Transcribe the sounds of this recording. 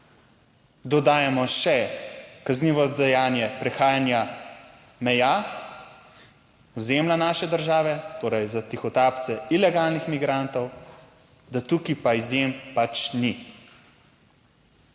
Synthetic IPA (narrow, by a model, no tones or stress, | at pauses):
d̪ɔd̪aːjamɔʃɛkazniːʋɔd̪ɛjaːnjɛpɾɛxaːjanja | mɛja | ɔzeːmlanaːʃɛd̪əɾʒaːʋɛt̪oːɾɛjzat̪ixɔt̪aːpt̪sɛilɛɡaːlnixmiɡɾant̪ɔw | d̪at̪ukipaizjempat͡ʃni